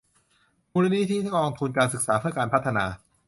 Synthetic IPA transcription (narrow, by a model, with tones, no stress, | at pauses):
muː˧la˦˥niː˥˩t̪ʰiː˥˩a˦˥ɔː˧ŋt̪ʰu˧nkaː˧nsɯ˨˩k̚saː˩˦pʰɯ˥˩ɐkaː˧npʰt̪ʰːa˧naː˧